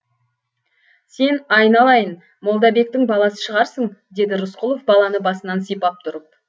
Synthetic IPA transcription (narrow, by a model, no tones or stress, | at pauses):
se̞nɑjnɑlˠɑjən | mo̞lˠd̪ɑbe̞k̚t̪ɪŋbɑlˠɑsə̥ʃəʁɑɾsəɴd̪e̞d̪ɪɾʊsqʊlˠo̞fbɑlˠɑnəbɑsənɑnsijpɑp̚t̪ʰʊɾəp̚